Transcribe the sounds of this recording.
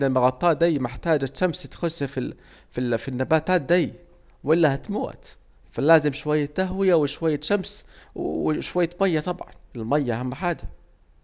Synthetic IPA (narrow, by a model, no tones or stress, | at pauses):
almɑɣɑt̪ˤːɑːʔd̪ajːmɪħt̪aːd͡ʒat̪ʃamst̪xʊsːfi | fifinːabaːt̪aːt̪̚d̪aj | wɪlːahat̪muːʔa̰t̪ | falaːzɪmʃwajːat̪ːaɦwɪjawɪʃwajːaʃamswwʃwajːamajːɑt̪ˤɑbʕɑ̰nɪlmajːaʔahamːħaːd͡ʒa